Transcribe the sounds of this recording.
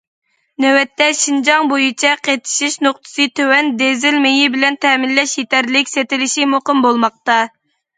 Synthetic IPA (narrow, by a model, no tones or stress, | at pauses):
nɛwɛt̪ːɛʃind͡ʒɑŋbojit͡ʃʰɛqʰet̪ʰɪ̥ʃiʃnoχt̪ʰɨ̥sɨt̪ʰøwɛnd̪ezɪlmejibɪlɛnt̪ʰɛmɪlːɛʃjet̪æɾlɪkʲset̪ɪlɪʃimoqəmbolˠmɑq̚t̪ɑ